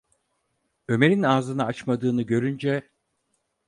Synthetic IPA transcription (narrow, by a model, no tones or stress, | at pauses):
ø̞me̞ɾinaːzɯnaat͡ʃmad̪ɯːnɯɟø̞ɾynd͡ʒɛ